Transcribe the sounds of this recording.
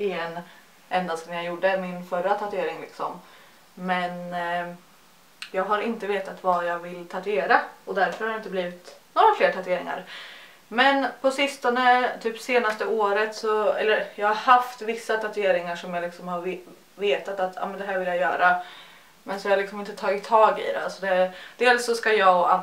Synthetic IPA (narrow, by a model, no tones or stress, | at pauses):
ɪɛn | ʔɛnd̪ansnjajʊɖəmɪnfœɾːat̪ʰat̪eːɾɪŋlɪ̰ksɔm | mɛn | jɑːɡɦaɾɪnt̪əveːt̪at̪vajɑɡvɪlːt̪ʰat̪ɵeːɾaɔd̪æɾfœɾhaɾjaɪnt̪əbliːvɪt̪noːɾafleːɾʈ̪ʰat̪ɵeːɾɪ̰ŋa̰ɾ | mɛnpʰɔsɪst̪ɔnət̪ʰyːpseːnast̪əoːɾət̪sɔɛ̰lːəɾjɑːɡhaɾhaft̪vɪsːat̪ʰat̪ʉeːɾɪŋaʂɔmjalɪksɔmhaɾ | veːt̪at̪at̪ʰːjɑ̰ːmɛnd̪ɛɦæːɾvɪljajœ̰ːɾʔa | mɛnsɔjahaɾlɪksɔmɪnt̪ət̪ʰɑːɡɪt̪ʰːɑːɡɪ̰d̪ɛ̰alsɔd̪ɛd̪̥eːlsːɔskajɑːɡa